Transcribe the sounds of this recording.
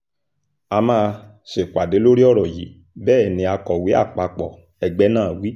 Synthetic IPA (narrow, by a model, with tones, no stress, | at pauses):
a˧mãː˦˧ | ʃe˨kwa˨de˨˦lo˦ɾi˦ɔ˦˨ɾɔ˨jḭ˨˦ | bɛː˦˨nĩ˨˧˦a˧kɔ˨wi˨˦a̰˦˨k͡pa˧k͡pɔ˨ | ɛ˧ɡ͡bɛ˨˦nãː˦˨wi˨˦